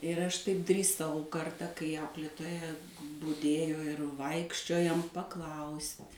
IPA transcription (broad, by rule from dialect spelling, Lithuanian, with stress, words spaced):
ɪr ˈɐʃ tɐɪp dʲrʲiːˈsɐʊ ˈkɐrtɐ kɐɪ ˈɐʊklʲeːtoːjɛ bʊˈdʲeːjoː ɪr ˈʋɐɪkʃʲt͡ʃʲoːjoːm pɐˈklˠɐʊsʲtʲ